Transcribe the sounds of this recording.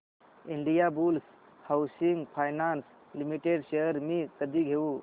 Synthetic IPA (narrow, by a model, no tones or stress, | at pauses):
iɳɖijabuls | hawsiŋɡpʰajnans | limiʈeɖseəɾmikəd̪iɡʱeu